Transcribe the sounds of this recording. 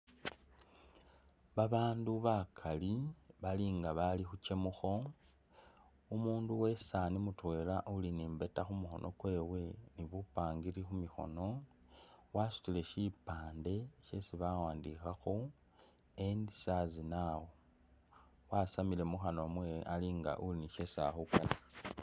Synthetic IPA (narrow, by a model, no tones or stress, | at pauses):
βaβaːnduβakʰaliβaliŋɡaβalixuce̞muxo̞ | umuːnduwe̞sanimutwe̞ːlaʔuliniːmbe̞taxumuxo̞̰nʔo̞̰kwe̞ːwe̞niβupaːŋɡiɾixumixo̞̰no̞ | wasu̥tile̞ʃipaːnde̞ʃe̞siβawaːndixaxu | endisazinawo | wasamile̞muxanoamweʔaliːŋɡa̰ʔuliniʃe̞sa̰xukalia